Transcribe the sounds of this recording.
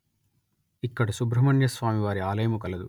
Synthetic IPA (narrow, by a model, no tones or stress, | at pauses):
ikːɐɽɐsubɾɐmɐɳjɐsʋaːmiʋaːɾiaːlɐjɐmukɐlɐd̪u